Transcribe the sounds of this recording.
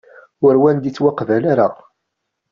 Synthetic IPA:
ʊɾwænd̪it͡sːwaqːvælaɾa

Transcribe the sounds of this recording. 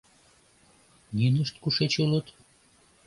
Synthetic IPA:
jynəʃt̪kuʃet͡ɕulət̪

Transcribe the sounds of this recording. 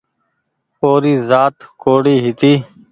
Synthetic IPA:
oːɾiːzaːt̪koːɽiːɦɪt̪iː

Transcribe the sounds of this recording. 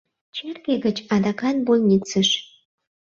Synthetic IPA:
t͡ɕerɡeɣət͡ɕɑd̪ɑkɑnbolʲnʲit͡səʃ

